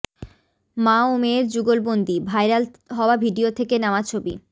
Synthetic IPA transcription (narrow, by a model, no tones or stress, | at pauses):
maomeɾd͡ʑuɡolbond̪ibʱajɾal | ɦɔoabʱiɖiot̪ʰekenaat͡ɕʰobḭ